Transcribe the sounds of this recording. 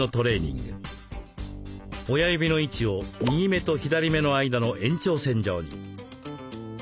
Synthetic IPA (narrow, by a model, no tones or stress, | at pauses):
o̞t̪o̞ɾe̞ːɲ̟ḭ̃ŋɡɯ̰ | ojajɯbʲino̞it͡ɕio̞ɲʲiːme̞t̪o̞çid̪aɾʲime̞no̞aid̪ano̞ʔẽ̞ɲ̟t͡ɕo̞ːsẽ̞ɲ̟d͡ʑoːɲ̟ḭ